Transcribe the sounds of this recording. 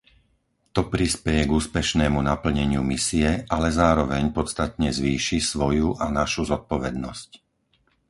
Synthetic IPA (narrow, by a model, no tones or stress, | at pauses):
t̪ɔpɾispɛjɛɡuːspɛʃnɛːmunapl̩ɲɛɲɪumisiɛʔalɛzaːɾɔʋɛɲpɔt̪t͡st̪at̪ɲɛzʋiːʃisʋɔjuʔanaʃuzɔt̪̚pɔʋɛd̪nɔsc